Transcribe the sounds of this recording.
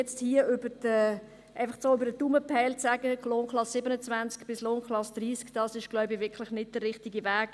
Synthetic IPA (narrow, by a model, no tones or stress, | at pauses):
ɛt͡sthiːəʏbədə | ʔæɪfɑχsoːʏbəɾdətuməpʰɛɪlt͡sæɡəloːnklɑsːɪbənət͡svænt͡skb̥ɪsloːnklɑsd̥̪ɾiːskd̥ɑsɪʃɡ̥laʊbɪvɪkʰlɪχnɪd̚d̥ərːɪχtiɡivæːɡ̥